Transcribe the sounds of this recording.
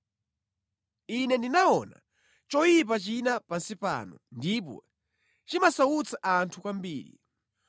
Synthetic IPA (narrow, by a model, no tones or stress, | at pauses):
inɛndinaɔna̰ | t͡ʃɔjip̬at͡ʃinapansipa̰ːnɔndip̬ɔ̰ | t͡ʃimasaut͡sʰaʔantʰukambiːɾḭ